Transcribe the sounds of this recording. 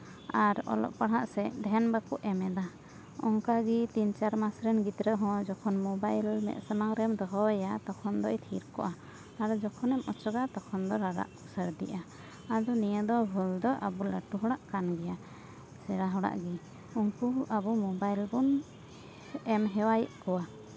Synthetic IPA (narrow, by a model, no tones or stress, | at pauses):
aɾɔ̰lɔ̰ʔpaɽɦaʔsɛɖ̪ʱɛnbakuʔɛmɛd̪a | ɔŋkaɡit̪int͡ʃaɾmasɾɛnɡit̪ɾəɦɔ̃d͡ʒɔkʰɔnmɔbajlmɛ̰ʔ̪̚samaŋɾɛmd̪ɔɦɔwɛjat̪ɔkʰɔnd̪ɔjt̪ʰiɾkɔ̰ʔa | aɾɔd͡ʒɔkʰɔnɛmʔɔt͡ʃɔɡat̪ɔkʰɔnd̪ɔɾaɾa̰ʔusəɾd̪ḭʔa | ad̪ɔnijəd̪ɔbʱuld̪ɔʔa̰buləʈuɦɔɽaʔkanɡɛja | sɛɾaɦɔɽa̰ʔɡi | uŋkuabumɔbajlbun | ɛmɦɛwajʔkɔwa